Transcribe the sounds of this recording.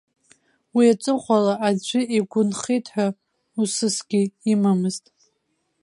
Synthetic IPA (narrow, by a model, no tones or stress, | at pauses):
wiat͡sʷʼɨχʷalaʔad͡ʒʷʏiɡʷʊnχijtʰʼħʷᶣa | usɨsɡʲɪːmamɨztʼ